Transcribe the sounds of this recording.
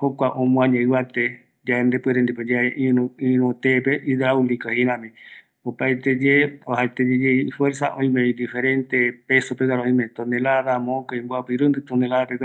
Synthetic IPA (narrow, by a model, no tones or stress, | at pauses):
hokʷaʔõmũãɲẽɨβat̪e | d͡ʒaend̪epɨeɾend̪iped͡ʒaeʔiuĩɾũt̪epeʔid̪ɾaulikaheɾãmẽ | opaet̪ed͡ʒeohaet̪ed͡ʒed͡ʒefweɾsaʔõĩmẽd̪ifeɾent̪epesopekaɾõĩmẽt̪onelaðamõkaĩmbuapɨɾɨ̃nd̪ɨt̪onelaðapek